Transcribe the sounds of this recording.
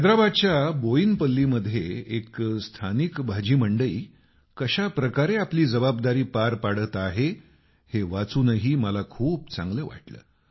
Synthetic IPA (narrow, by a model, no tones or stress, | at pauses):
ɦəd̪ɾabad̪̚t͡ɕjaboinpəlːiːməd̪ʱːjeekst̪ʰanikbʱad͡ʑiːməɳɖəiː | kəɕapɾəkaɾeapliːd͡zəbab̚d̪aɾiːpaɾpaɽət̪aɦe | heʋat͡suːnəɦiːməlakʰuːp̚t͡sã̰ŋɡləːʋa̰ʈlə̰ː